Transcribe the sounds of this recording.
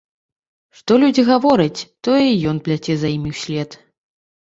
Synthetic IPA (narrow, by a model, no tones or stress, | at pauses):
ʂt̪ɔlʲud͡zʲiɣavɔɾɐt͡sʲt̪ɔɛijɔnplʲat͡sʲɛzaimʲiwsʲlʲɛt̪